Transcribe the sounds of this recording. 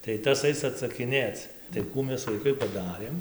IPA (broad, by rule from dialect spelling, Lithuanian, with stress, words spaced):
tɐɪ ˈtɐs ˈɐɪs ɐtsɐkʲɪˈnʲeːt͡s tɐɪ ˈkuː ˈmʲɛs ʋɐɪˈkɐɪ pɐˈdɑːrʲeːm